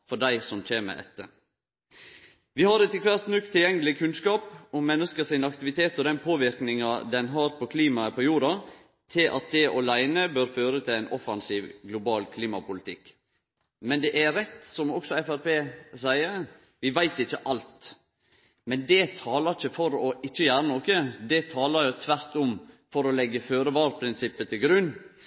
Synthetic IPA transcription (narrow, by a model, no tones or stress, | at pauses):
fɔɖ̪æɪsɔmc͡çeːmə̰ʔɛ̰t̪ːə | ʋɪhɑɾɛt̪ːɪkʋæɾsnʉkt̪ʰːɪljɛŋːəlɪkʰʉnskɑːpɔmɛnːəskəsɪnɑkt̪ɪʋɪt̪ʰeːt̪ɔd̪ɛnpʰoːʋɪɾknɪŋɑd̪ɛnɦɑːɾpʰɔkʰliːmɑəpʰɔjuːɾɑ | t̪ʰɪlʔɑ̰t̪̚d̪ɛʔɑlæɪnəbøːɾføːɾət̪ʰɪlæɪnɔfɑnsiːʋɡlʊbɑːlkʰliːmɑpʰʊlɪt̪ʰɪkː | mɛnd̪ɛʔæɾɛt̪ːsɔmɔksɔɛfæɾpeːsæɪəɾ | ʋɪʋæɪt̪ɪçːəʔɑlt̪ | mɛnd̪ɛt̪ʰɑːləɾɪçəfɔɾɔʔɪt͡ʃːəjæːɾənoːkəd̪ɛt̪ʰɑːlɑɾjʊt̪ʰʋæɾt̪ɔm | fɔɾɔlɛɡːəføːɾəʋɑːɾpʰɾɪnsɪpːət̪ʰɪlɡɾʉnː